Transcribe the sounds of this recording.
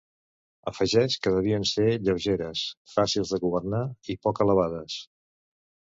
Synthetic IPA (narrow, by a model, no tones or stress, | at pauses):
əfəʒɛʃkəðəβ̞iənseʎəwʒeɾəsfasilˠzðəɣuβ̞əɾnaipɔkələβaðəs